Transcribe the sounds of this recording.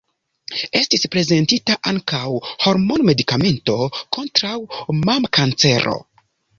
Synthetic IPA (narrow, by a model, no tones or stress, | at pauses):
e̞stispɾe̞ze̞ntitaʔaŋkawho̞ɾmo̞nme̞dikame̞nto̞ko̞ntɾawmamkant͡se̞ɾo̰